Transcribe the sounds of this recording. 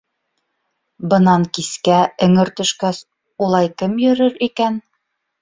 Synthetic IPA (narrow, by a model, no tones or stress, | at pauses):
bɤ̆nɑŋkiskæɵ̆ŋɘɾt̪ɵ̆ʃkæs | ulˠɑjkɘmjɵ̆ɾɘɾikæn